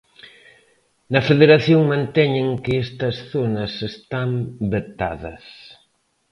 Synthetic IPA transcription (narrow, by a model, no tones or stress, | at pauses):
nɐfeðeɾaθjoŋmãnt̪ɛɲeŋkɪest̪ɐsθonɐsest̪ambet̪a̰ðɐ̰s